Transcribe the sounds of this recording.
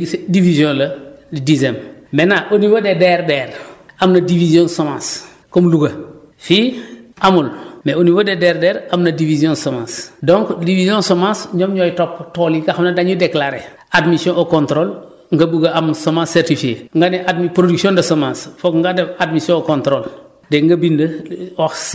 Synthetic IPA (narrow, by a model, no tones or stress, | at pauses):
divizjõːlɐdidizemmenaʔoniwodedɛɾdɛːɾamnɐdivizjõnsomãːs | komluɡɐ | fiʔamulmeoniwodedeɾdɛːɾamnɐdiviziõnsomã̰ːsdõŋkdivizjõnsomãsɲomɲojtɔpːtolikaxamnadaɲudeklaɾe | admisjõʔokõnt̪ɾoːl | ŋɡɐbuɡaamsomãsːɛɾtifieŋɡanɛʔadmipɾoduksiõndɐsomãːsfokŋɡadɛadmisjõokõntɾoːl | deŋɡɐbindɐwax